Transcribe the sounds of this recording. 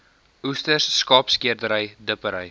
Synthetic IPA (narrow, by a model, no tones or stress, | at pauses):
ustərsːkɑːpskiərdəɾəjdəpəɾəj